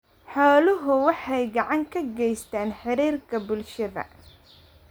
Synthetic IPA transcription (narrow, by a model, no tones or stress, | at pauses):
ħɔːlʊɦʊwɑħɑjɡɑʕɑŋkʰɐɡɛjst̪ʰaːnħɪɾiːrkʰɐbʊlʃɐðɐ̰